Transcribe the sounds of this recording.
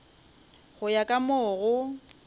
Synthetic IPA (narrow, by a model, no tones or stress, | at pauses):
ɣʊjakʼamoɣʊ